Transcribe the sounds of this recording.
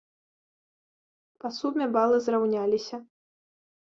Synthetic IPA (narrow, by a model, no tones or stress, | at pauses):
pasubmʲɛbalˠɨzrawnʲalʲisʲɐ